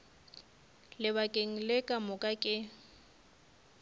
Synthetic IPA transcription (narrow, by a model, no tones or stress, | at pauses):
lɪβakʼeŋ̩lekʼamʊkʼakʼɪ